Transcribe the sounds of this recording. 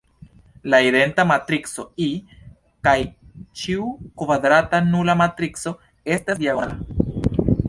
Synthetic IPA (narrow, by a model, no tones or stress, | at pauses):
laiɾe̞ntamat̪ɾiksoi | kaj | t͡ʃiukvad̪ɾatanulamatɾikso̞ | e̞stasdjaɡoa